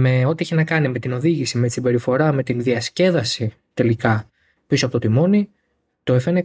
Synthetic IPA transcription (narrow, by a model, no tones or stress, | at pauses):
me̞o̞t̪ieçinɐkɐnimet̪ino̞ðiʝisime̞t̪i̥sibe̞ɾifo̞ɾɐme̞t̪inðiɐsce̞ðɐsi | t̪e̞likɐ | pisoɐpot̪oimo̞ni | t̪oefene